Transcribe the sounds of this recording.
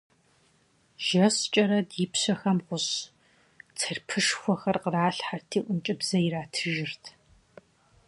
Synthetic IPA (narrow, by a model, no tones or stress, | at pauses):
ʒɐst͡ʃʼɐɾɐdiːpʰɕɐxɐmqʷʊɕ | t͡sʰɐrpʰɨʂxʷɔxɐrqəraːɬħartʰiːʔʷʊnt͡ʃʼɪbzɐjiɪɾaːtʰɨʒɪrtʰ